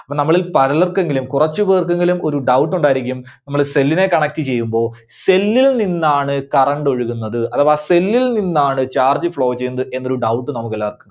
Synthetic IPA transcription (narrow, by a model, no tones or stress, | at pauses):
ɐpːɐnɐmːɐɭilpɐɾɐlɐrkːeŋɡilumkurɐt͡ɕːuʋeːrkeŋɡilumʔo̞ɾuɖɐwʈːuɳɖaːjiɾikʲːum | nɐmːɐɭse̞lːine̞kɐɳɐk̚tɨt͡ɕe̞jːumbo̞ː | se̞lːilninːaːɳɨkɐrɐɳɖo̞ɻuɣunːɐðɨɐðaːʋse̞lːilninːaːɳɨt͡ɕaːrd͡ʑɨfɭo̞ːt͡ɕe̞junɐðɨʔe̞nːo̞ɾuɖɐwʈːɨnɐmuk̬ːɐlːaːɐrkːunːɐ